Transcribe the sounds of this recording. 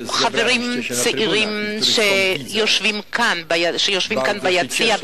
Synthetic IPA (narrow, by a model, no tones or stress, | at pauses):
χaveʁimt͡seʔiʁimʃejoʃvimkʰanbajaʃejoʃvimkanbajat͡sia